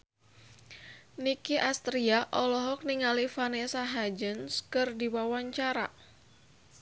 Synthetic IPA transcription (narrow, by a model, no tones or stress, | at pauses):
nikiʔast̪ɾiaʔɔlɔɦɔk̚niŋalifanesaɦad͡ʒənskɨrdiwawaɲt͡ʃaɾa̰